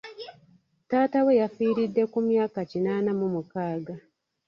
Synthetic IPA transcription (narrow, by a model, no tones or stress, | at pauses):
taːtawe̞jafiːɾidːe̞kumjaːkacinaːnamumukaːɡa